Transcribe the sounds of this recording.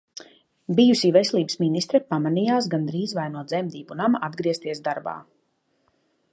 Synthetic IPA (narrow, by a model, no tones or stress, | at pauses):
bijusivɛsɛlˠiːbə̥sminist̪ɾɛpamanijaːs̬ɡand̪ɾiːzvajnuɔd̪zɛmd̪iːbunamad̪ɡɾiɛst̪iɛsd̪aɾba̰ː